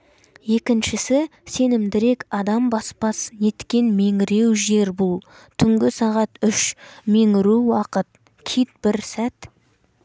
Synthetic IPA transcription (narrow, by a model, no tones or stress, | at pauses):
je̞kʲɪnʃɪsɪse̞nɪmd̪ɪɾe̞kʲɑd̪ɑmbɑspɑsne̞t̪kʲe̞nme̞ŋɪɾe̞wʒe̞ɾbulˠ | t̪ʰʏŋɡʲɪsɑʁɑt̪ʏʃme̞ŋɪɾuwɑqət̪̚ | kʲʰit̪̚b̥ɪɾsæt̪